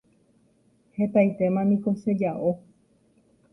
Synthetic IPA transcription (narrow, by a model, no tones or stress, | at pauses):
he̞t̪ajt̪e̞mãnĩko̞ʃe̞d͡ʒaʔo